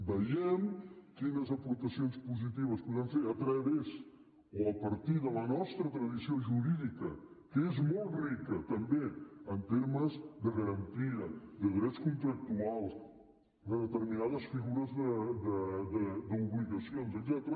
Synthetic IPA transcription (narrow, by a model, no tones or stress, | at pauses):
bəʎɛmkinəzəpuɾt̪əsionspuzit̪iβəspuðanfeət̪ɾɛβez | oəpəɾt̪iðələnɔst̪ɾət̪ɾəðisioʒuɾiðikəkəezmolˠt̪rikət̪əmbeənt̪eɾməzd̪əɣəɾənt̪iəd̪əðɾɛskunt̪ɾək̚t̪ualˠs | d̪əðət̪əɾminaðəsfiɣuɾəzðəd̪əðəd̪əuβliɣəsionzəɡ̪zɛt̪ɾə